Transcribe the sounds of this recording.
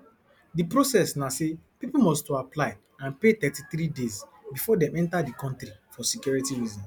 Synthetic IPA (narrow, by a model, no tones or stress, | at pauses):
dipɾosɛsnasepipumɔstoaplaɪ | ãnpet̪ɛtiθɾidezbifɔdɛ̃mɛ̃ntadikɔ̃ntɾifɔsikjɔɹitiɹizɔ̃n